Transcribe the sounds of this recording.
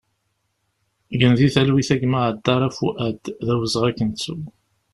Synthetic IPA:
ʝənðiθælwiθæɡmaʕəd̪ːɑɾˤæfuʔæd̪ðæwəzʁækːənt͡sːu

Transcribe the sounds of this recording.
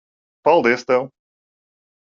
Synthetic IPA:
pawlˠd̪est̪ɐ̃w̃

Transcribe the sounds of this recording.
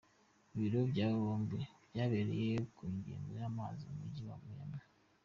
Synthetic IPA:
βiɾobɟaːβoːmbebjaːβeɾḛjekuːɲɟḛːndojaːmaziumuɟiwa̰mujama

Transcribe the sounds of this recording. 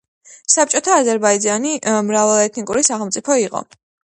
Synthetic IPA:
sap̚t͡ʃʼɔt̪ʰaːzɛɾbaid̪d͡ʒanimɾavalˠɛt̪ʰnikʼuɾisaχɛlˠmt̪sʼipʰɔiqʼɔ̰

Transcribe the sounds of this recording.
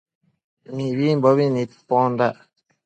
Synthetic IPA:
miwimbɔβinit̪pɔnda

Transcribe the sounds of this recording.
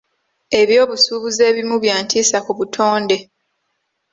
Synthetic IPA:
e̞βjo̞ːβusuːβuze̞ːβimuβjaːntʰiːsakuβutʰoːnde̞

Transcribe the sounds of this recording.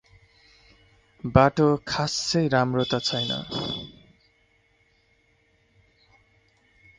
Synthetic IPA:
baʈokʰasʌjɾamrot̪at͡sʰʌjnʌ̰

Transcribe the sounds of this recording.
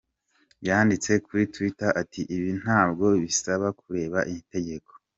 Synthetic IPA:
bjaːndit͡se̞kuɾitwitaʔatʰiʔiβin̥haːbɡo̞βisaβakuɾe̞ːβaʔimite̞ɟe̞ko̞̥

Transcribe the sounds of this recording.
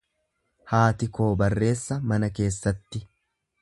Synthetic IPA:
haːt̪ɪko̞ːbɐrːe̞ːsːɐmɐnɐke̞ːsːɐt̪ːɪ

